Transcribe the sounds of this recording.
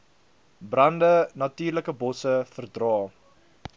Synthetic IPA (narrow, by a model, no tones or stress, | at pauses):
brɐndənɐtyːrləkəbɔsəfərdrɑː